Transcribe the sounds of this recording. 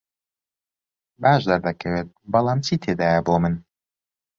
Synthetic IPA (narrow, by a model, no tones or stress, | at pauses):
baːʒd̪aɾd̪ɐkʰɐweːt̪̚bɐlˠaːmt͡ʃʰiːt̪ʰed̪aːjɐboːmɨn